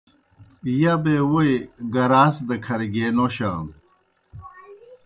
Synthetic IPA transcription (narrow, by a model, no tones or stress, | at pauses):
jabewojɡɐɾaːsd̪ɐkʰɐɾɡeːnoɕã̰ːn